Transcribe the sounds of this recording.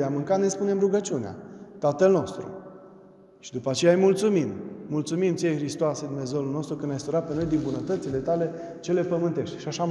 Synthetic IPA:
eamɨŋkat̪nespune̞mruɡət͡ʃiunea̰t̪at̪əlno̞st̪ɾṵ | ʃid̪upəat͡ʃe̞jajmult̪sumimːult̪sumimt̪sijexɾist̪oased̪umnezewulno̞st̪ɾukɨnajsuɾat̪̚peno̞jd̪inbunət̪ət̪sile̞t̪ale̞ | t͡ʃe̞le̞pəmɨnt̪e̞ʃt̪ʲʃiaʃa

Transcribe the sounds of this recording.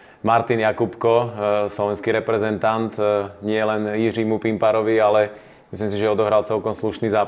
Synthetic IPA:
maɾt̪injakupkɔslɔʋɛnskiɾɛpɾɛzɛnt̪ant̪ɲɪɛlɛnjirimupimpaɾɔʋialɛ | mislims̬iʒɛɔd̪ɔɦɾalt͡sɛlkɔmsluʃniːzaː

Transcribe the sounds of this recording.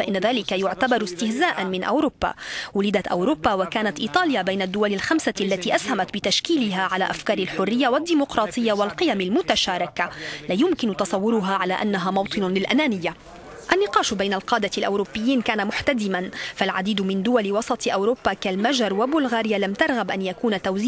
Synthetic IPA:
faʔɪnːaðaːlɪkajʊʕt̪abɑɾˤʊst̪ɪhzaːʔanmɪnʔa̰wɾubːa̰wʊlɪd̪at̪ʔa̰wɾʊbːawakaːnat̪ʔiːt̪ˤɑːljabajnad̪ːʊwalɪlxamsaʔalːat̪iːʔashamat̪bɪt̪aʃkiːlɪɦaʕala̰ːʔafkɑːɾˤɪlħʊrːɪjːawad̪ːiːmʊqɾˤɑːt̪ˤɨjːawalqɨjamalmʊt̪aʃaːɾˤɪkalaːjʊmkɪnʊt̪ɑsˤɑwːʊɾʊɦaːʕalaːʔanːaɦaːmɑwt̪ˤɨnlɪlʔanaːnɪjːa | ʔanːɪqɑːʃbajnalqɑːd̪alʔawɾʊbːɪjːiːnkaːnamʊħt̪ad̪ɪmanfalʕad̪iːd̪mɪnd̪ʊwalɪwɑsˤɑt̪ˤʔawɾʊːbːakalmaʒɑɾˤwabʊlɣaːɾjalamt̪ɑɾˤɣabʔanjakuːnt̪awzː

